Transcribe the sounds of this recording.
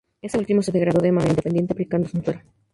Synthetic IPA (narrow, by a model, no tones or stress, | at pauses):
eseult̪imoseðeɣɾaðoðemalaind̪epend̪jet̪epɾikand̪osunt̪weɾo